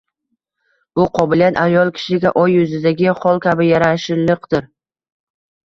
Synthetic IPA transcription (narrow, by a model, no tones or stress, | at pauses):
b̥ʊqʰɒbɪlijat̪ajɒlˠkʲʰɪ̥ʃɪɡʲaʔɒjːʊzɪd̪aɡʲɪχɒlˠkʲʰabɪjaɾaʃɪɾlɨqd̪̥ɪɾ